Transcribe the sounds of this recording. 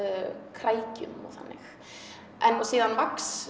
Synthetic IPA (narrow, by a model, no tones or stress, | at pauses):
kʰɾaːjcʏ̰mɔ̰ɣθa̰nːɪx | ʔɛnɔsiːðanvaks